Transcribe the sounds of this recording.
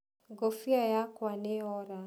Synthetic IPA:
ɡɔfiajakwaneɔɾa

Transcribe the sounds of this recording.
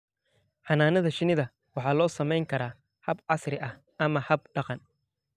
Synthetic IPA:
ħɑnaːnɐðɐʃɪnɪðɐ | wɑħɑːlɔːsɐmɛjŋkʰɐɾaː | hɐbʕɑsrɪʔɐh | ɐmɐhɐb̚ɖ̥ɑqɑn

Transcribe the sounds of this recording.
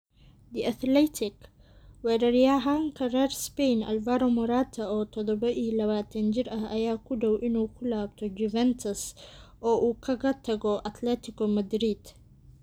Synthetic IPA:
d̪iʔɐt̪lɛt̪ʰɪk | wɛːɾɐɾijaɦaŋkʰɐrɐrspɛjnɐ̰lvaɾɔmɔɾaːt̪ʰɐɔːt̪ʰɔðɔbɐʔilɐβaːt̪ʰɐnd͡ʒɪɾɐɦɐjaːkʰʊɖɔwʔɪnuːkʰʊlaːb̚t̪ʰɔd͡ʒuvɛnt̪ʰɐsʔɔːʔuːkʰɐɣɐt̪ʰɐɡɔʔɐt̪lɛt̪ʰɪkɔmɐd̪ɾid̪̥

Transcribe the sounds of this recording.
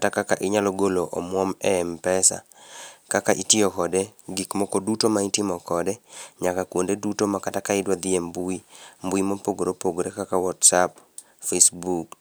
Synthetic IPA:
atakakaʔɪɲalɔɡoloʔɔmwɔmɛmpɛsa̰kakaʔitɪɔkɔdeɡikmɔkodutomaɪtɪmɔkɔdeɲakakwondedutomakatakaɪdwad̪ɪembuimbuimopoɡoɾopoɡoɾekakawɔtsap | fesbuk

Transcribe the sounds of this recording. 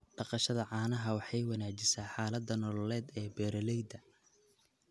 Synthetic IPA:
ɖɑqɑʃɐðɐʕɑːnɐɦɐwɑħɑjwɑnaːt͡ʃɪsaːħaːlɐd̪ɐnɔlɔlɛːd̪ɛːbɛːɾɐlɛjd̪ɐ

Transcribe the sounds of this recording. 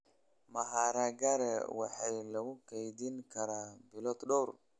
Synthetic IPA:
maɦaɾaɡaɾɛ̰waħajlɐwukejd̪inkaɾabilɔt̪ɗɔɾ

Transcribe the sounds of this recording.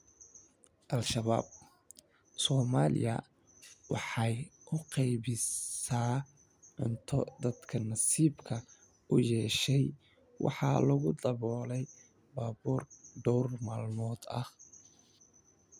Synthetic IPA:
ʔɐlʃɐβa̰ːb̚ | sɔːmaːlɪ̰jɐ̰ | wɑ̰ħɑjʔʰʊqɑjβɪsaː | ɪnt̪ʰɔd̪ɐd̪kʰɐnɑsiːbkʰɐ | ʊjɛːʃɛj | wʔɑ̰ħɑːlɐɣʊd̪ɐβɔːlɛj | baːbuːrɖ̪ɔwrmaːlmɔːd̪ɐ̰h

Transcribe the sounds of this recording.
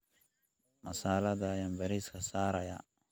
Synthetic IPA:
mɐsaːlɐðɐjambɐɾiːskʰɐsaːɾɐjɐ̰

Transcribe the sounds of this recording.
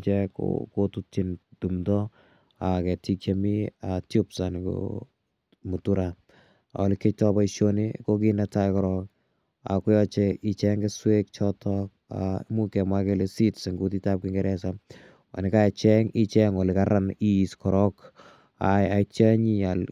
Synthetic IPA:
t͡ʃɛko̰kotut͡ʃintumdɔ | akɛtikjamiatjupsanko̰ | mutuɾa̰ | ɔlɪketɔbaiʃonikokinatajkɔɾɔk | a̰kɔjɔt͡ʃɛit͡ʃɛŋɡeswek̚t͡ʃɔtʰɔk̚a̰mukɛmakelesitsɪŋɡutitap̚kɪŋɡɛɾɛsa | a̰nɪkaɛt͡ʃɛŋit͡ʃɛŋɔlɪkaɾaniskɔɾɔk | a̰jat͡ʃaɲial

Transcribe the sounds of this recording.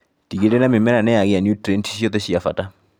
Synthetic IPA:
tikeɾɛnamɪmɛɾanɛjaɣeanjutɾɛntʰi̥ʃjɔt̪ɛɕiafata

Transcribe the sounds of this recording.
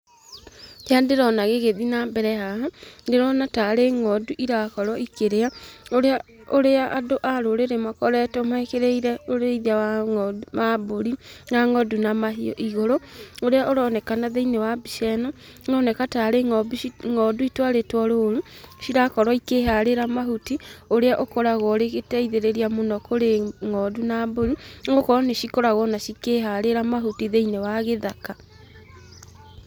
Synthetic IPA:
andeɾɔnaɣeɣeðinabɛɾɛɦaɦandeɾɔnataɾeŋɔduʔiɾakɔɾwɔikeɾeaoɾea | oɾeaʔadoʔaɾoɾeɾemakɔɾɛtɔmaekeɾeiɾɛoɾeiðiawamaboɾinaŋɔdunamaɦiɔ̰ʔiɣoɾooɾeaʔoɾɔnɛkanaðeinewabiʃɛnɔ | nɔnɛkataːɾeŋɔbiŋɔduitwaɾetwɔɾoɾuʃiɾakɔɾwɔikeɦaɾeɾamaɦutioɾeaʔokoɾaɣɔɾeɣetɛiðeɾeɾiamonɔkoɾeŋɔdunaboɾiŋokɔneʃikoɾaɣɔnaʃikeɦaɾeɾamaɦutiðeinewaɣeðaka

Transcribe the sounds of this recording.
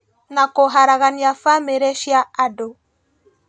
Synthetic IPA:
nakoɦaɾaɣaniafameɾɛʃjaado

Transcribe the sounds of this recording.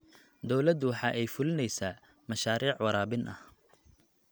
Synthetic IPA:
d̪ɔwlɐd̪ʊwɑħɑːʔɛjfʊlɪnɛjsaː | mɐʃaːɾiːʕwɑɾaːbɪnʔɐh

